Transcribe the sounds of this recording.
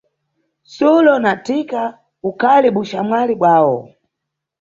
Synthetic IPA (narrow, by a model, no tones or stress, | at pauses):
sulɔnatika | ukʰaliɓuʃamwaliɓwaːwɔ̰